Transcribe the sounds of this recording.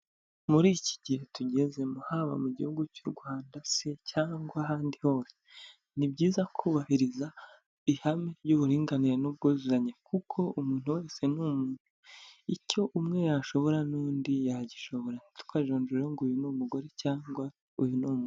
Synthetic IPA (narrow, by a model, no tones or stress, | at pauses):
muɾiːci̥ɟihe̞tuɟe̞ze̞muhaβa̰muɟihuɡucuɾɡwaːndasecaːŋɡwaɦaːndiho̞ːse̥ | nibɟiːzakʰuːβahiɾiza | ihameɾɟuβuɾiːŋɡaniɾenub̚ɡozuɾaɲe̞kukʰo̞umuːn̥huwe̞ːse̞numuːnhuico̞ʔumŋe̞jaʃo̞βo̞ɾanuːndijaɟiʃo̞βo̞ɾan̥itu̥kaʒoːɲd͡ʒuɾeŋɡujunumuɡo̞ɾe̞caːŋɡwa | ujunumu